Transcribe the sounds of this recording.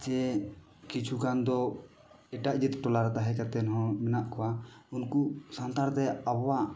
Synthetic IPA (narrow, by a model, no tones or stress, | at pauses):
d͡ʒɛ | kit͡ʃʰukand̪ɔ | ɛʈaʔd͡ʒit̪ʈɔlaɾɛt̪aɦɛkat̪ɛnɦɔ̃mɛnaʔkɔwaunkusant̪aɾt̪ɛabɔwa